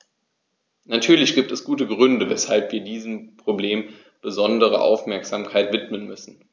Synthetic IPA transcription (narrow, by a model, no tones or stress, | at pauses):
natʰyːɐlɪçɡ̥iːp̚tɛsɡ̥uːtəɡʁʏndəvɛshalpv̥iːɐdiːzəm̩pʁ̥obleːm | b̥əzɔndəʁ̞ə̰ʔa̰ʊfmɛɐkz̥aːmkʰaɪtv̥ɪtmənmʏsn̩